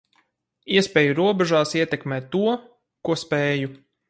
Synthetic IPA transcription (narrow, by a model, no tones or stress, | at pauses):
iɛspʲɛːjuɾuɔbɛʒaːsiɛt̪ɛkmɛːt̪ːuɔ | kuɔspɛːju